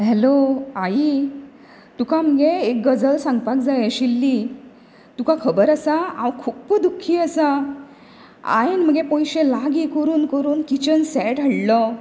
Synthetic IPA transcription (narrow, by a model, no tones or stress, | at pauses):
ɦɛloai | t̪ukam̤əɡeek̚ɡəd͡zəlsãŋɡpakd͡zajɕilːi | t̪ukãkʰəbəɾasaã̰wkʰuːpd̪ukʰːiːəsa | a̰enm̤əɡẽpɔ̃jɕẽlaɡikəɾuːnkəɾuːnkit͡ɕənsɛʈəɽlɔ